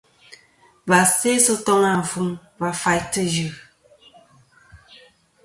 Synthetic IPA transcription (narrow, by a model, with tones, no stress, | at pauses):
ba˨se˦sə˦tɔ˦ŋa˨fu˦ŋ | va˨fa˨jtə˦d͡ʒʉ˨